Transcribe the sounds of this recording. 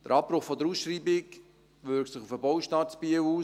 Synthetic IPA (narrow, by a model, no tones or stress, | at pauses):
d̪̥ə̰ɾɑpːɾʊχfɔd̪əɾuːsʃɾiːbɪk | ʋʏɾktsɪχufəbɔwʃtɑsb̥iəwuː